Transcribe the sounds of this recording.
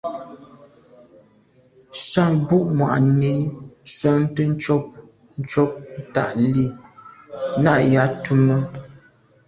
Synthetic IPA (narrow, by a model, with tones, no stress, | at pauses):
sa˦ŋbu˦ʔmwa̰˨ʔne˨˦sɔ˦n˦tə˦n̩˦t͡ʃɔ˦p̚ | n̩˦t͡ʃɔ˦p̚n̩˦ta̰˦˨ʔli˦˨ | na˦ʔja˨˦tu˦mə˦